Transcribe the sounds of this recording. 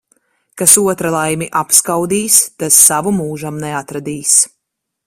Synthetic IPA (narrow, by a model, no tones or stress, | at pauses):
kasuɔt̪ɾalˠajmiʔapskawd̪iːst̪asːavumuːʒamnɛat̪ɾad̪iːs